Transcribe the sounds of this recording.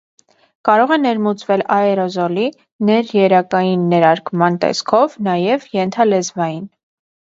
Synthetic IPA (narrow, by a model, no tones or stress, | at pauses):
kɑɾɔʁɛnɛɾmut͡svɛlɑɛɾɔzɔli | nɛɾjɛɾɑkɑjinːɛɾɑɾkmɑnt̪ɛ̰skʰɔvnɑjɛvjɛnt̪ʰɑlɛzvɑjin